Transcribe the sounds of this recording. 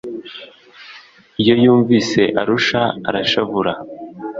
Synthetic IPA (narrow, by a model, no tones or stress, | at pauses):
ijo̞juːɱviːse̞ʔaɾuʃaa̰ɾaʃavuɾa